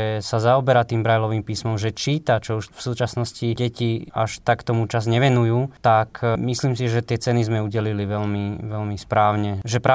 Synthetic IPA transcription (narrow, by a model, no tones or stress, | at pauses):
ɛsazaɔbɛɾat̪iːmbɾajlɔʋiːmpiːsmɔmʒɛt͡ʃiːt̪at͡ʃɔuʃfsuːt͡ʃasnɔsciɟɛciaʃt̪akt̪ɔmut͡ʃazɲɛʋɛnujuːt̪akmisliːmsiʒɛt̪ɪɛt͡sɛnizmɛuɟɛliliʋɛlmiʋɛlmispɾaːʊɲɛʒɛpɾa